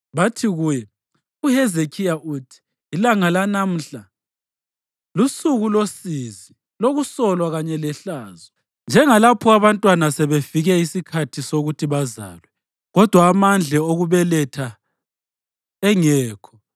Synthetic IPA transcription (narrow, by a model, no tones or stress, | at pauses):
βatʰiɣuːjɛ | uhɛzekʰijaʔuːtʰi̥ː | laŋalanam̩ɬa | lusuɣulosizi | loɣusɔlwaɣaɲɛlɛɬaːzɔ | nd͡ʒʱɛŋalapʰɔaβantʼwanasɛβefiɣɛisikʰatʰisoɣutʰiβaza̰ːlwɛ | ɣɔd̥ʱwaːmand͡ɮʱɛoɣuβɛlɛtʰa | ɛŋɛːkʰɔ̥